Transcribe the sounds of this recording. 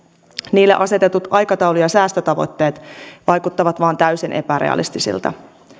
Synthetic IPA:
niːlːḛʔɑse̞t̪e̞t̪ut̪ɑjkɑt̪ɑwlujɑsæːst̪øt̪ɑʋo̞̰t̪ːe̞ːt̪ʋɑjkut̪ːɑʋɑt̪ʋɑːnt̪æysinʔe̞pæɾḛɑ̰lḭst̪isḭlt̪ɑ̰

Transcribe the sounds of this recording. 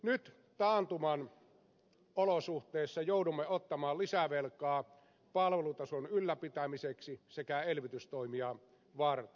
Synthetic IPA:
nyt̪ | t̪ɑːnt̪umɑn | olosuht̪ˑeːsːɑjoudumːeot̪ːɑmɑːllisæʋelkˑɑː | pɑlʋelut̪ɑsonylːæpit̪æmiseksisekæelʋit̪yst̪oimiɑ | ʋɑrt̪e̥

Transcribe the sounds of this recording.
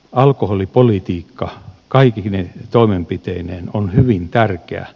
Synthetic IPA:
ɑlkoholipolit̪iːkːɑkɑikinet̪oimempit̪eineːnonhyʋint̪ærkḛæ̰

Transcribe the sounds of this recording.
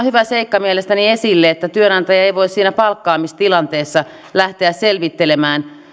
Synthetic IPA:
hyʋæseikːɑmielest̪æniesilːeet̪ːæt̪yønɑnt̪ɑjɑeiʋoissiːnæpɑlkːɑːmist̪ilɑnt̪eːsːɑ | læht̪eæsselʋit̪ːelemæːn

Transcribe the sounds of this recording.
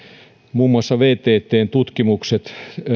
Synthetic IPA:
muːmːuɑsːɑʋeːt̪eːt̪ːˑeːnt̪ut̪kimukset̪

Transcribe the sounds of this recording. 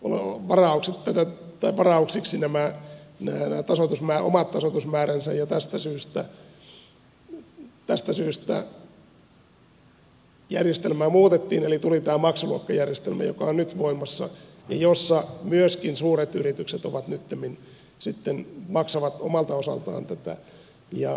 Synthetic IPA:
o̰lḛʋɑrɑuksit̪t̪ːæt̪æt̪ɑiʋɑrɑuksiksinæmænæːnæːt̪ɑsot̪usmæːʔo̰mɑt̪tːɑsot̪usmæːɾænsæjɑt̪æst̪æsyːst̪æ | t̪æst̪æsyːst̪æ̰ | jærjest̪elmæːmuːt̪et̪ːiːnelit̪ulit̪æːmɑksɑluɑkːɑjærjest̪elmæ̰jo̰kɑ̰onnyt̪ʋoimːˑɑsːɑ̰ | jɑ̰josːɑmyøskinsuːret̪yrit̪ykset̪oʋɑt̪nyt̪ːemin | sit̪ːenmɑksɑʋɑt̪omɑlt̪ɑosɑ̰lt̪ɑ̰ːnt̪æt̪æ̰ | jɑ

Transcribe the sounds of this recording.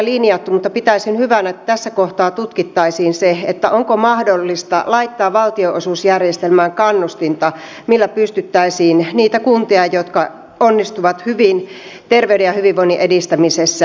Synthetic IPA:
linijɑt̪ːumut̪ːɑpit̪æisinhyʋænæet̪ːæt̪æsːækoht̪ɑːt̪ut̪kit̪ːɑisiːnseet̪ːæʔoŋkomɑhdolːist̪ɑ̰lɑit̪ːɑːʋʋɑlt̪ioʔosuːsjærjest̪elmæːŋkɑnːust̪int̪ɑ | milːæpyst̪yt̪ːæisiːnniːt̪ækunt̪iɑjot̪kɑ | onːist̪uʋɑt̪hyʋin | t̪erʋeydejɑhyʋiʋʋoiniʔedist̪æmisesːæ

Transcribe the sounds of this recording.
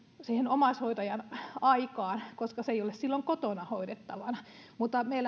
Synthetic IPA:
sihenomɑshoit̪ɑjɑnɑikɑːnkoskɑseiolessilːoŋkot̪onɑhoidet̪ːɑʋɑnɑ | mut̪ːˑɑmeil

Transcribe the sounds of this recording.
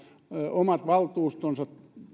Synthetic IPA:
omɑt̪ʋɑlt̪uːst̪onsɑt̪

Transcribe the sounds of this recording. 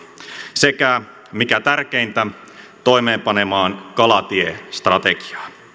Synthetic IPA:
sekæ | mikæt̪ærk̟ejnt̪æ | t̪o̞jme̞ːmpɑnemɑːnkɑlɑt̪iest̪rɑt̪eɡi̥ɑ̥ː

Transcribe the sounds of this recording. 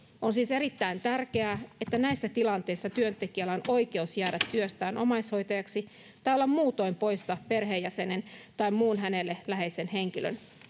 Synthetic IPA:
ʔonsiːseɾit̪ːæint̪ærk̟eæːet̪ːænæisːæt̪ilɑnt̪e̞isːɑt̪yønt̪ekiælːæono̞ike̞usjæːɾæt̪ːyøst̪æːnʔo̰mɑisho̞jt̪ɑjɑksi | t̪ɑjolːɑmmuːt̪o̞impo̞jsːɑperɦeːjæse̞nent̪ɑimmuːnɦænelːelæɦe̞isenheŋk̟ilø̰n

